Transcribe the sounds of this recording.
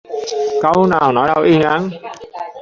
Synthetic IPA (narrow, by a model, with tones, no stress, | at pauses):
kə˧wnaː˨˩wnɔ˨˦ja˧˩wʔi˧ŋa˨˦n